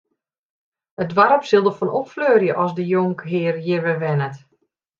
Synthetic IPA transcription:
ədʋaɾəpsɪlˠdəfɔnʔɔpfløːrjəʔɔsdəjoŋkɦɪːrjɪʋəʋɛnət

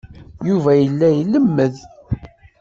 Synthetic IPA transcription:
juvæjəlːæjləmːəð

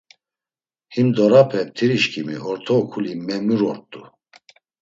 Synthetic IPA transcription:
himd̪ɔɾapʰɛt̪ʰiɾiʃkʰimiɦɔɾt̪ʰɔkʰulimɛmyɾɔɾt̪ʼu

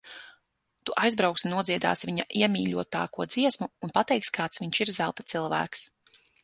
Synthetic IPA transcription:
t̪uʔajzbɾawksnuɔziɛd̪a̰ːsvʲiɲaʔiɛmʲiːʎʲuɔt̪ːa̰ːkuɔd̪ziɛsmuːnpat̪ɛjkskʰaːt̪sviɲʃiɾzælˠt̪ḁt̪silˠvæ̰ːks

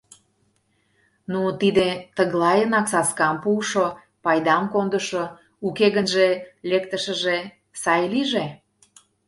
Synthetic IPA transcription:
nut̪id̪et̪əɣlɑjənɑksɑskɑmpuʃo | pɑjd̪ɑmkond̪əʃo | ukeɣənʒelek̚t̪əʃəʒe | sɑjliʒe

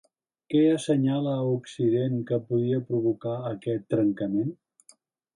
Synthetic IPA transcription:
kɛəsəɲaləːuksiðeŋkəpuðiəpɾuβukaəkɛt̪ːɾəŋkəmen

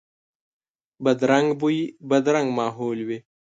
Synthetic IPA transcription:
bɐd̪ɾɐŋɡbuibɐd̪ɾɐŋɡmaːɦoːlwe

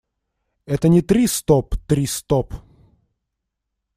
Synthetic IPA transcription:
ɛt̪ənʲɪt̪ɾʲist̪opt̪ɾʲist̪op

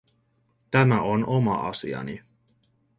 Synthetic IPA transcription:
t̪æmæʔonomɑʔɑ̰sḭɑ̰ni

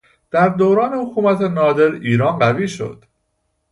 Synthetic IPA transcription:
d̪̥æɾd̪oːɾɒːnehokʰuːmæt̪ʰenɒːd̪e̞liːɾɒːnɢæviːʃo̰d̪̥

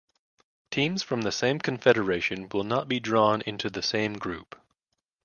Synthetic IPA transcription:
tʰĩmz̥fɹʌ̃mðɨsẽɪ̃mkʰɨ̃ɱfɛɾə˞eɪʃɨ̃nwɪlˠnət̚b̥idɹɔ̃nɪ̰̃ntʰʉðɨsẽɪ̃mɡɹʉp

